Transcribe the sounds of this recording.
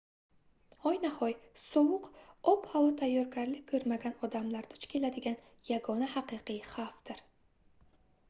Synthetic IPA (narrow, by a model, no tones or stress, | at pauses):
ɒjnahɒjsowʊqɒphawɒt̪ʰajːɒɾɡʲaɾlɪk̚ʲkʰːɵɾmaɡʲanɒd̪amlaɾd̪̥ʊt͡ʃkʲʰe̞lad̪ɪɡʲan | jaɡɒnahaqɨqɨjχaft̪ɪɾ